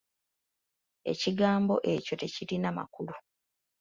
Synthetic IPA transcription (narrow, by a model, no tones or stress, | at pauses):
e̞̰ciɡaːmbo̞̰ʔe̞co̞te̞ciɾinama̰kulu